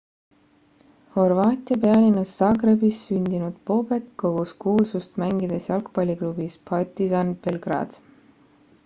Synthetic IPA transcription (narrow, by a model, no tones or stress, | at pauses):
ho̞rvɑːt̪ʲˑiɑpeɑlʲinːɑsːɑɡrebisːynʲd̪inud̪̥̚po̞be̞kːo̞ɡ̥uskuːlsust̪mæŋɡ̥id̪̥e̞sjɑlkpɑlʲiklubispʰɑt̪ːisɑnb̥e̞lɡ̥rɑ̰ːd̪̥